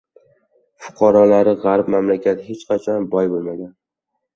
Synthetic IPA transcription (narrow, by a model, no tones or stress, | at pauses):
fʊ̥qʰɑɾɒlaɾɪʁaɾpmamlakʲat̪het͡ʃqʰɑt͡ʃʰɒnbɒjbolˠmaɡʲan